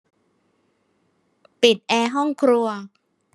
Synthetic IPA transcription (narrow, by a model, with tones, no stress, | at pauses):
pi˨˩t̪̚ʔɛː˧ɦɔ˥˩ŋkʰɾu˧ɐ